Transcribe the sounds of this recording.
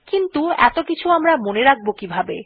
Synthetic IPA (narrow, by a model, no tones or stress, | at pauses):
kint̪uɛ̰t̪okit͡ɕʰuamɾamoneɾak̚bokibʱabe